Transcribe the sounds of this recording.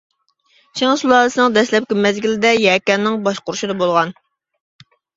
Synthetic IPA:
t͡ʃʰeŋsulˠɑːlɨsɨnɨŋd̪ɛslɛp̚kʲimɛzɡʲilɪd̪ɛjɛːkʲɛnːɪŋbɑʃqʊɾuʃid̪ɑbolˠʁɑn

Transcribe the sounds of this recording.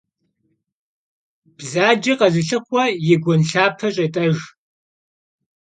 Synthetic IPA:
b̥zaːd͡ʒɐqɐzɨɬɨχʷɐjɛɡʷɔnɬaːpʰɐɕʼɐtʼɐʒ

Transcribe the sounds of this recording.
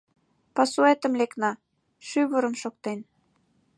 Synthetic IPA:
pɑsuet̪ə̆mleknɑ | ʃyβəɾə̆mʃok̚t̪en

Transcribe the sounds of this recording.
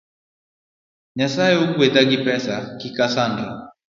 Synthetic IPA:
ɲasaɛukuɛtaɡipɛsakikasanda

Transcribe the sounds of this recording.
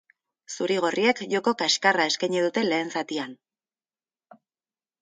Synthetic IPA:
suɾiɣ̞orie̞kʝo̞ko̞kaskarae̞skajɲeðut̪e̞le̞ːnsat̪ian

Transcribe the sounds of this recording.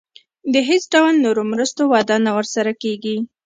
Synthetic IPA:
d̪əɦesɖawalnoɾomɾəst̪owɑd̪ɑnawəɾsaɾakeɡi

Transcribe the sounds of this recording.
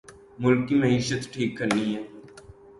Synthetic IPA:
mʊlkiməɦiːʃət̪ʈʰiːkːəɾniɦɛː

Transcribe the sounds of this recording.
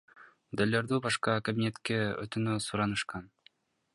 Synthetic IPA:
md̪elʲːeɾd̪ybɑʃqɑkabʲinʲet̪keø̰t̪ynøsuɾɑnɯʃqɑn

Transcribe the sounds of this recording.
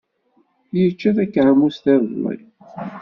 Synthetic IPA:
jət͡ʃːæθækːʕəmːusθæɾðlḭ

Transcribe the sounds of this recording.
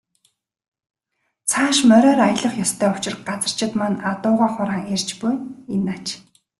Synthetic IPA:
t͡sʰaːʃmœɾʲœːɾajə̆ɮə̆χjɔst̪ʰæːʊ̥t͡ɕɪ̆rɢat͡sə̆r̥t͡ɕɪ̆t̪manat̪ʊːʁaːχʊɾaːŋerʲt͡ɕpujenːat͡ɕ

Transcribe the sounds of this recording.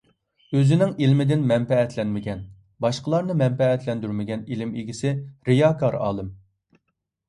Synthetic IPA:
øzɪnɪŋilmɪd̪ɪnmɛmpɛɛt̪ʰlɛnmɪɡʲɛn | bɑʃqəlˠɑɾnɨmɛmpɛɛt̪lɛnd̪yɾmɪɡʲɛnilɪmiɡʲisɪɾɨjɑkʰɑɾɑ̰ːlˠɨm

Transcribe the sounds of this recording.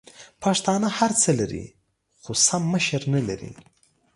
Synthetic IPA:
pɑʂt̪ɑnahaɾt͡səlaɾḭ | xosamːəʃəɾnalaɾḭ

